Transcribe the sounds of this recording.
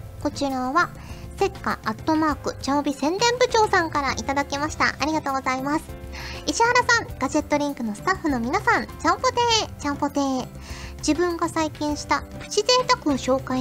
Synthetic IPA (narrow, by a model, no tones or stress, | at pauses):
ko̞t͡ɕiɾaβa | se̞kːa̰ːt̪ːo̞maːkɯ̟t͡ɕaobʲisẽ̞nd̪ẽ̞mbɯ̟t͡ɕo̞ːsãŋkaɾaʔit̪ad̪akʲemaɕi̥t̪a̰ʔaɾʲiɡat̪o̞ːɡo̞zaimasɨ̥iɕihaɾasãŋɡ̥aʑe̞t̪ːo̞ɾʲĩŋkɯ̟no̞sɨ̥t̪aɸːɯ̟no̞mʲinasãnt͡ɕãpot̪eːt͡ɕãmpot̪eː | d͡ʑibɯ̟̃ŋɡasaikʲĩɰ̃ɕi̥t̪aɸɯ̟̥t͡ɕize̞ːt̪akɯ̟̃ɰ̃ɕo̞ːkai